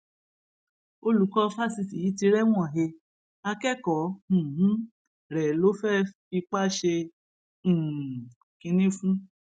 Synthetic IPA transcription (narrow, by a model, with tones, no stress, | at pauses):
o˧lu˨˦kɔ˧fa˦si˧si˨ji˨˦ti˧ɾɛ˦w̃ɔ̃˦˨ɦe˧ | a˧kɛ˦kɔ̃˨˦˨ɦ̩˦ | ɾɛ˨lo˦fɛ˦fi˧k͡pa˦ʃẽ˧˨ | kĩ˧nĩ˦fũ˦